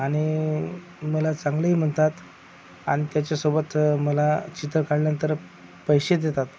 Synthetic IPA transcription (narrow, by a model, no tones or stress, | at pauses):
aɽ̃i | məlat͡sãŋɡləim̤əɳt̪at̪ | a̰ɽ̃it̪jat͡ɕjasobət̪məlat͡ɕit̪ɾəkaɽnənt̪əɾ | pəjɕed̪jet̪at̪